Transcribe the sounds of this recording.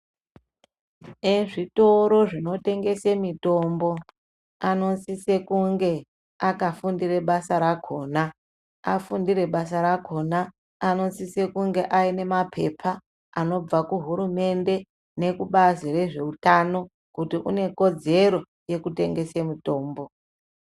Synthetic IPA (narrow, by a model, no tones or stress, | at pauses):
eʐito̞ɾo̞ʐino̞te̞ŋɡe̞semito̞mbo̞ | ano̞nsise̞kuŋɡe̞ | akafundire̞ɓasaɾakʰo̞ːna | afundire̞ɓasaɾakʰo̞naː | no̞sise̞kuŋɡe̞ʔaine̞mapʰe̞̰pʰa | ano̞b͡vakuɦuɾume̞nde̞ | ne̞kuɓazire̞ʐe̞utano̞ | kutiʔṵne̞ko̞d͡ze̞ɾo̞ | je̞kute̞̰ŋɡe̞semito̞ːmbo̞